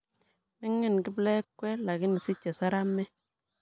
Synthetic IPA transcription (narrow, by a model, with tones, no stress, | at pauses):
mɪ˦ŋːɪ˦˨nkɪ˦blɛ˦kːwɛ˦la˨kɪ˦ni˨si˦t͡ʃːe˨sa˦ɾa˦mːɛ˦